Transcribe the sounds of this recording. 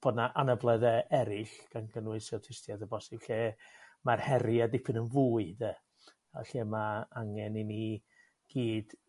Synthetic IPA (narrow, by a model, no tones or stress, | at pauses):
b̥oːdnaʔanəblˠɛðɛʔɛɾɪɬɡ̥anɡənwɨsɛwtʰɪstjadəbɔsɪb̥ɬeːmarhɛɾɪadɪpʰɨnənvuːɨdɛ | a̰ɬeːmaaŋɛnini | ɡ̥iːd̥